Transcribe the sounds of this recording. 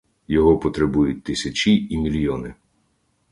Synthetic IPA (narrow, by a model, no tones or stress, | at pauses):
jɔɦɔpɔt̪ɾebujʊt̚ʲt̪ɪsʲɐt͡ʃiʔimʲilʲjɔnɪ